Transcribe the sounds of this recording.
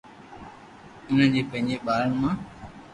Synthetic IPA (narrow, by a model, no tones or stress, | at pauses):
ʊnənd͡ʑeːpə̃ɦɪ̃ɲd͡ʑeːɓaːɾəɳmãː